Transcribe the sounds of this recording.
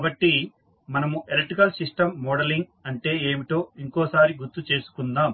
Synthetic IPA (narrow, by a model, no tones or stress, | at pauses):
abɐʈːi | mɐnɐmuʔeleʈikɐlsiʂʈɐmːɔːɽɐliŋɡɐɳʈe̞ːeːmiʈo̞ːiŋkoːsaːɾiɡuɾt̪ːut͡ʃe̞ːsu̥kund̪aːm